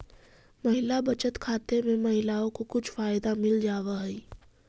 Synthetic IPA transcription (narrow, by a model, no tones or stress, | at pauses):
mɐɦɪlabɐt͡ʃət̪kʰaːt̪emẽmɐɦɪlaːõkokʊt͡ʃʰfaːjd̪amɪld͡ʒaːwaɦɛi